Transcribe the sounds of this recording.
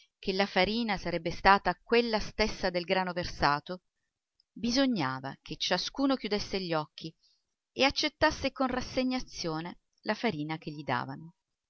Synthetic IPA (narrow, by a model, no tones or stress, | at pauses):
kʰelːafaɾiːnasaɾɛbːest̪aːt̪akwelːast̪esːad̪elɡɾaːnoversaːt̪o | bizoɲːaːva̰ket͡ʃːaskuːnok̟jud̪esːeʎːɔkʰːi | eat͡ʃːet̪ːasːekonrasːeɲːat̪sːjoːne | lafaɾiːnak̟eʎːid̪a̰ːvano